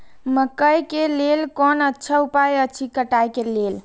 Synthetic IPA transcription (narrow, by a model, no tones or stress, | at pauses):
məkəjkelelkɔnətːt͡ʃʰaupajət͡ʃʰikəʈajkelel